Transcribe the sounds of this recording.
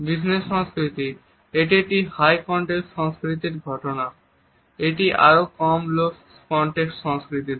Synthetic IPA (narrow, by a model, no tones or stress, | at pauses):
bisnesːɔ̃ŋskɾit̪i | eʈiʈihajkɔɳʈeksʃɔŋskɾit̪iɾɡʱɔʈona | eʈiʔa̰ɾokɔmlos | kɔɳʈekʈʃɔŋskɾit̪i